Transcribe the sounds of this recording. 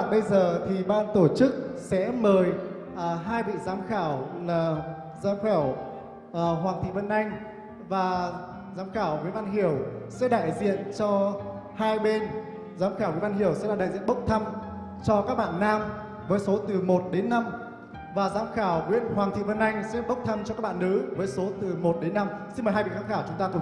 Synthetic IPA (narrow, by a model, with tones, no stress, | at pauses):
ɓə˧jzəː˨˩t̪ʰi˨˩ɓaː˧nt̪o˧˩t͡ɕɨ˦˥k̚sɛ̰˧˥məː˨˩j | ʔːɦaː˧jɓḭ˧˨zaː˨˦mxaː˧˩wlaː˨˩ | zaː˨˦mxaː˧˩w | ʔəː˨˩ɦwaː˨˩ŋt̪ʰḭ˧˨və˧nʔa˧jŋ̟ | vaː˨˩ | zaː˨˦mxaː˧˩wŋḭ˨˦˥ənʔvaː˧nɦi˧˩əwsɛ̰˧˥ɗa̰ː˧˨jzḭ˧˨ənt͡ɕɔ˧haː˧jɓe˧n | zaː˨˦mxaː˧˩wḭ˧˦˥nʔaː˧nhi˧˩əwsɛ̰˧˥laː˨˩ɗa̰ː˧˨jzḭ˧˨ənɓə˦˥wk͡p̚t̪ʰə˧m | t͡ɕɔ˧kaː˦˥k̚ɓa̰ː˧˨nːaː˧m | vəː˨˦jso˨˦t̪ɨ˨˩mo˨˩t̚ɗe˨˦nːa˧m | vaː˨˩zaː˨˦mxaː˧˩wŋwḭ˧˥ənhwaː˨˩ŋt̪ʰḭ˧˨və˧nʔa˧jŋ̟sɛ̰˧˥ɓə˦˥k͡p̚t̪ʰə˧mt͡ɕɔ˧kaː˦˥k̚ɓa̰ː˧˨nʔɨ̰˨˧˦vəː˨˦jso˨˦t̪ɨ˨˩mo˨˩t̚ɗe˨˦nːa˧msi˧nməː˨˩ɦaː˧jɓḭ˧˨zaː˨˧˦xaː˧˩wt͡ɕʊ˨˦ŋ͡mt̪aː˧u˧˨˩